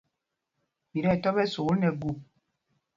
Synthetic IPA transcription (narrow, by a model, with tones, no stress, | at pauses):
bi˨ɾɛ˦˨tɔ˦bɛ˦so˨˦nɛ˨ɡu˦˨p̚